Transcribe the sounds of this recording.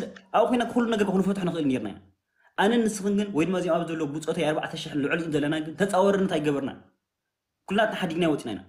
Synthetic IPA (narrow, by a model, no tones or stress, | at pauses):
ʔaβkʰojnakɨxulːunɐɡɐɾkʰɐxnufɐt̪ħnɨxɨʔɨlne̞ɾna̰jna̰ | ʔanɐnːɨsɨxɨnɡɨnwɔjd̪ɨmːaziemaβɨzɐlːɐwbut͡sʼot̪ojaɾβbaʕat̪ʰɐʃɪħɨnlɨʕliʔunzɐlːɐnaɡɨnt̪ʰɐt͡sʼawɔɾɨnːɐt̪ajɡɐβɐɾna̰ | kʰulːɨnat̪naħad̪iɡnajwɔt͡sʼinajna̰